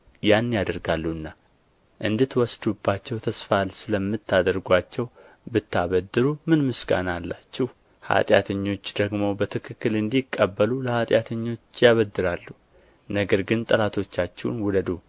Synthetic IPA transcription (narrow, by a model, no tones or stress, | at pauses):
janːjad̪əɾɡalːuɨnːa | ʔɨnd̪ɨt̪wɔsd̪ubːat͡ʃːɛwt̪ʰəsfalsɨləmːɨt̪ːad̪əɾɡʷat͡ʃːɛw | bɨt̪ːaβəd̪ɨɾumɨnmɨsɡa̰nalːat͡ʃːɛh | ha̰t̪ʼja̰t̪ʰəɲːo̞t͡ʃːd̪̥əɡmo̞bət̪ʰɨkʰɨkːɨlɨnd̪ikʼːəbːəluləhat̪ʼjat̪ʰəɲːo̞t͡ʃːjaβəd̪ːɨɾalːu | nəɡəɾɡɨnt̪ʼəlat̪ʰo̞t͡ʃːat͡ʃːɛwnwud̪əd̪u